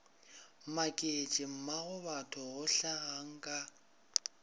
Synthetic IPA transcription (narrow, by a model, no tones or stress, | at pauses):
makʼet͡ʃʼɪm̩maɣʊbatʰʊɣʊɬaɣaŋ̩kʼa